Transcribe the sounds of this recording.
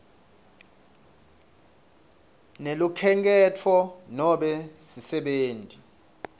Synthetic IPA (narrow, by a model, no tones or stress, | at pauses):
nelukʰɛŋk̬ʼɛtʰɔnɔɓɛsisɛɓeːntʼi